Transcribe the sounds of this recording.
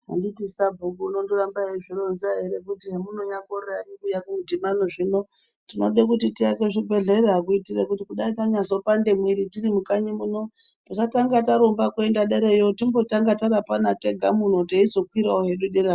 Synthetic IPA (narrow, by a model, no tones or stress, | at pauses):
ɦa̰nditisabʱukuːno̞ndorambaeʐironzaɦeɾekutiɦemun̤oɲakoreanikujakumudimanoʐino̞ | tino̞ɗekutitiakeʐibʱe̞ɮe̞ɾeɦakuitirekutikuɗaitaɲazo̞pande̞mwiɾitirimukaɲimuno̞ | takataŋɡataɾombakue̞ndaɗeɾejotimbo̞taŋɡataɾapanate̞ɡʱamun̤oteizo̞kwiɾaoɦe̞ɗuɗeɾa